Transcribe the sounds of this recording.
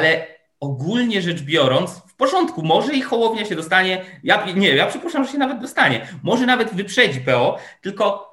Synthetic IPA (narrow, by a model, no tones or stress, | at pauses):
alɛ | ɔɡulɲɛʐɛd͡ʐbʲjɔɾɔnt̪sfpɔʐɔnt̪kumɔʐɛixɔwɔvɲɛɕɛd̪ɔst̪aɲɛjaɲɛjapʂɛpuʂt͡ʂamʐɛɕɛnavɛd̪̚d̪ɔst̪aɲɛmɔʐɛnavɛd̪vɨpʂɛd͡ʑipɛɔt̪ɘlkɔ